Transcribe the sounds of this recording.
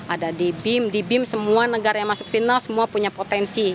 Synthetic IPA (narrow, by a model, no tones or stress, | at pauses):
ʔadadibɪmdibɪmsəmuanəɡaɾajaŋmasʊk̚finalsəmuapuɲapot̪ɛnsi